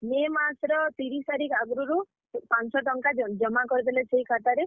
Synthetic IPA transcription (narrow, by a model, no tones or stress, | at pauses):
memasɾɔt̪iɾisaɾikaɡɾuɾu | pansɔʈɔŋkad͡ʒɔmakɔɾid̪eleseɦikʰat̪aɾe